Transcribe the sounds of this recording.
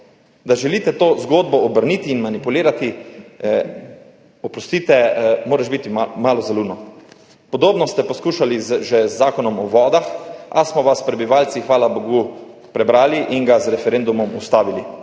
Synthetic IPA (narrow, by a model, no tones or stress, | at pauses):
d̪aʒɛliːt̪ɛt̪oːzɡoːd̪bɔːbəɾniːt̪iːnmanipuliːɾat̪i | ɔpɾɔst̪iːt̪ɛmoːɾɛʒbit̪imaːlɔzaluːnɔ | pɔd̪oːbnɔst̪ɛpɔskuːʃalizʒɛzːaːkɔnɔmɔʋɔːd̪axa̰smɔʋaspɾɛbiʋaːlsixʋaːlaboɡupɾɛbɾaːliʔiŋɡazɾɛfɛɾend̪umɔmust̪aːʋili